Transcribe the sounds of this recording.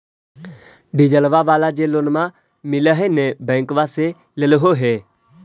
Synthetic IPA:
ɖɪd͡ʒəlʋaʋaːlad͡ʒeloːnmã | mɪləɦenẽbɛ̃ːŋkʋase | lelɦoɦeː

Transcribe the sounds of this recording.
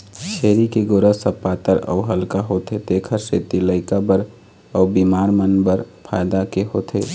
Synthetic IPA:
t͡ʃʰeːɾikeɡoɾəsəpːaːt̪əɾə̰ɦəlkaɦot̪ʰed̪ekʰəɾset̪iləɪkabəɾ | əʊbimaːɾmənbəɾ | pʰaːjd̪akeɦoːt̪ʰe

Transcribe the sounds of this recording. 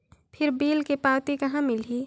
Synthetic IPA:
pʰɪɾbiːlkepaːwt̪ikɐɦãmɪlɦiː

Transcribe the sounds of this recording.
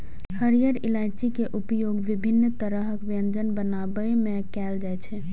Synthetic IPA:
həɾijəɾilajt͡ʃikeʔupəjoɡʋibʱinːt̪əɾəɦəkʋijənd͡ʒənbənabəemekɛld͡ʒajt͡ʃʰɛ

